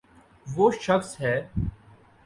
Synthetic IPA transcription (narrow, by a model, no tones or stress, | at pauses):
ʋoːʃɐxsɦɛː